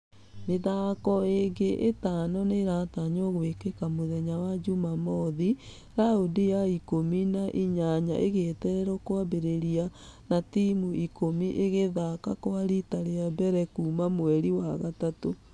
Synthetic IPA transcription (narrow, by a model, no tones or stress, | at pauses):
meðakɔeɡeʔetaːnɔneɾataɲoɣwekekamoðɛɲawad͡ʒumamɔði | ɾaodijaikominaʔiɲaɲa̰ʔeɣetɛɾɛɾɔkwabeɾeɾia | natimuikomiʔeɣeðakakoaɾitaɾeabɛɾɛkuːmamwɛɾiwaɣatato